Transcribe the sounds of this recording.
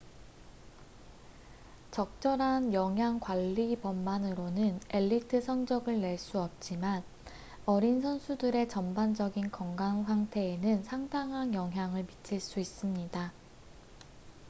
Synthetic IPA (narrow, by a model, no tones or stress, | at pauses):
t͡ɕʌk̚t͡ɕ͈ʌɾɦanjʌŋɦjaŋkwaʎːipʌmːanɯɾonɯne̞ʎːitʰɯsʰʌŋd͡ʑʌɡɯɭne̞ɭs͈uʌp̚t͡ɕ͈iman | ʌɾinsʰʌnsʰudɯɾe̞t͡ɕʌmband͡ʑʌɡinkʌŋɡanɸʰwaŋtʰe̞ːnɯnsʰaŋdaŋɦanjʌŋɦjaŋɯɭmit͡ɕʰiɭs͈uis͈ɯmɲida